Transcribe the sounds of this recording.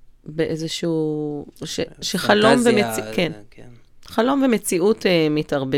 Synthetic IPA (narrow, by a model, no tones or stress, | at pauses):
beʔezeʃuːʃeʃeχalo̞mvemet͡siken | χalo̞mvemet͡siʔutemitɐʁbe